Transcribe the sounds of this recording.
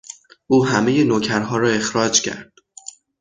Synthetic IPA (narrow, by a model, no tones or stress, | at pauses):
ʔuːɦæme̞jenocʰæɾɦɒːɾɒːe̞xɾɒːd͡ʒcʰæ̰ɾd̪̥